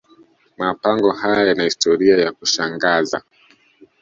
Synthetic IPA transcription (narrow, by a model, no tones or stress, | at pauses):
mapaŋɡɔhajajanahistɔɾiajakuʃaŋɡaza̰